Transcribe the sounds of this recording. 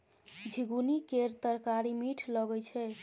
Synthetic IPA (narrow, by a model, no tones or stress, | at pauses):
d͡ʒʱiɡunikeɾt̪əɾkaɾimiʈʰləɡɛt͡ʃʰɛ